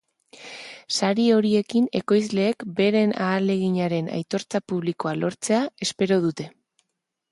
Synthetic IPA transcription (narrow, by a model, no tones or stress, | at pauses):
saɾio̞ɾie̞kine̞ko̞jz̬le̞ːkbe̞ɾe̞naːle̞ɣiɲaɾe̞na̰jt̪o̞ɾt͡sapuβ̞liko̞alo̞ɾt͡se̞ae̞spe̞ɾo̞ð̞ut̪e̞